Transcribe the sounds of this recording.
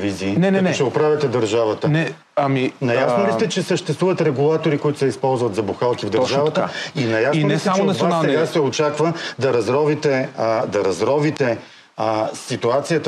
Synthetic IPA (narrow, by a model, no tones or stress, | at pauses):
viziːnɛnɐɔɛt͡ʃɛopɾavʲjɐt̪ɛd̪ɐɾʒavət̪ənɛ | aminɐjasnolist̪ɛt͡ʃɛsəʃt̪ɛ̥st̪vuvət̪ɾɛɡulˠat̪oɾikoʊit̪ʊ̥sɛispɔlˠzvɐt̪zɐbuxalˠkivd̪əɾʒavət̪əinɐjasnisaonvanːˠɛɡasɛot͡ʃakvəd̪ɐɾɐzɾɔvit̪ɛd̪ɐɾɐzɾɔvit̪ɛ | sit̪uat̪sijət̪ə